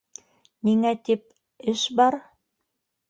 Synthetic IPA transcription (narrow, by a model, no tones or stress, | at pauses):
niŋæt̪ip̚ | ɘʃbɑɾ